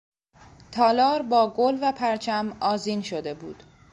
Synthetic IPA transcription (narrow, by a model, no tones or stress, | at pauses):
t̪ʰɒːlɒːɾbɒːɡolvæpʰæɾt͡ʃʰæmɒːziːnʃod̪e̞bṵːd̪̥